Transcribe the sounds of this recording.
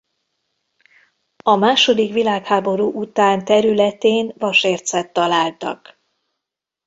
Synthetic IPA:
ɒmaːʃo̞d̪ikʋilaːkhaːbo̞ɾuːʔut̪aːnt̪ɛɾylɛt̪eːnvɒʃeːrt̪sɛt̪ːɒlaːlt̪ɒ̰k

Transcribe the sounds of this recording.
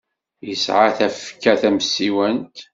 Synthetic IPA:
jəsʕaθæfkːæθæmsːiwənt̪

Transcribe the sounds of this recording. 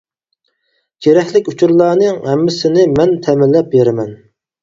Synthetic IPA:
ɡ̥ʲeɾɛkʲlɪkʲut͡ʃʰuɾlˠɑːnɨŋɛmːɪsɪnɪmɛnt̪ʰɛmɪlːɛp̚beɾɪmɛn

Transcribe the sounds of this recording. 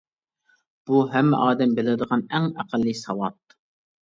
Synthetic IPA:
b̥uɦɛmːɪ̰ʔɑːd̪ɛmbelɪd̪əʁɑnɛŋæqəlːɨsɑwɑt̪

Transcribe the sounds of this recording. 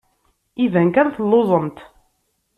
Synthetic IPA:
ivæŋkæɾθəlːoðˤəmt̪

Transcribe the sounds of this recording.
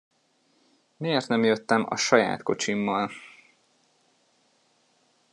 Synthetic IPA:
meːrt̪nɛmjøt̪ːɛmɒ̰ʃɒja̰ːt̪ko̞t͡ʃimːɒl

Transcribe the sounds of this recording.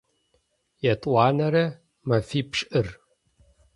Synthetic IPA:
jɛtʼwɑːnɐɾɐ | mɐfiːpʂʼʔɨr

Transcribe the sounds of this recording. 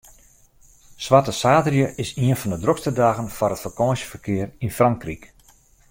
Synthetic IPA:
swʋatəsaːdrjəʔɪsiənfɔndədrokstədaːɣənfɔɾɦətfəkɔːsjə̥fərkɪərinfraŋkrik

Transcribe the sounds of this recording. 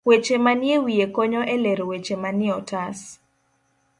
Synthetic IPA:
wet͡ʃemanjewijekoɲɔʔɛleɾwet͡ʃemanɪɔtas

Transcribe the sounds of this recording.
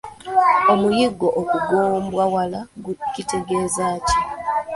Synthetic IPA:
o̞mujiɡːo̞ʔokuɡoːmbwawalaɡucite̞ɡe̞ːzaːci

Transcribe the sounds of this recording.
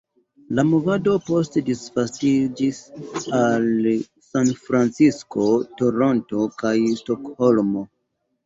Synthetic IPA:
lamovado̞po̞stedisfastid͡ʒisal | sanfɾant͡sisko̞toɾo̞nto̞kajsto̞kho̞lmo̞

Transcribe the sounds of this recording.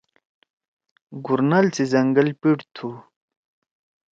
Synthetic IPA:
ɡuɾnalt͡sizɐŋɡəlpiʈt̪ʰu

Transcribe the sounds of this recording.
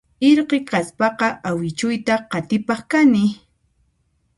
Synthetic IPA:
ɪɾqeqaspɑqɑʔawɪt͡ʃʊjt̪aqɑt̪ɪpɑχkanɪ

